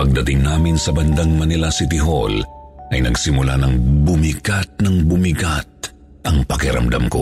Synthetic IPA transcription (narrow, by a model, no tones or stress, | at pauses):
pɐɡ̚d̪ɐt̪ɪŋnaːmɪnsɐbɐnd̪aŋmɐnɪlasɪt̪ɪɦo̞̰lʔɐjnɐɡsɪmʊlanɐŋbʊmiɡat̪̚nɐŋbʊmɪɡat̪̚ | ʔɐŋpɐkɪɾɐ̰md̪a̰mko̞̰